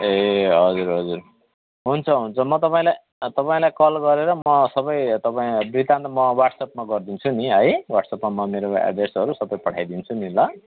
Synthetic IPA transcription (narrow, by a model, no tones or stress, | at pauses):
eɦʌd͡zuɾɦʌd͡zuɾ | ɦunt͡sʰʌɦunt͡sʰʌmʌt̪ʌpaĩlaj | t̪ʌpaĩlajkʌlɡʌɾeɾʌmʌsʌbʌjt̪ʌpaĩbrit̪ant̪mʌwaʈsʌp̚maɡʌrd̪int͡sʰuniɦʌjwaʈsʌpmamʌmeɾoa̰ɖesʌɾusʌbʌjpʌʈʰajd̪int͡sʰunila